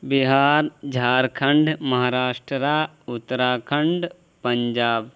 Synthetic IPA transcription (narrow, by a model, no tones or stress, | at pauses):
biɦaːɾd͡ʒʱaːɾkʰɐɳɖmɐɦaːɾaːʂʈɾəɾaː | ʊt̪ːɐɾaːkʰɐɳɖ | pɐɲd͡ʒaːb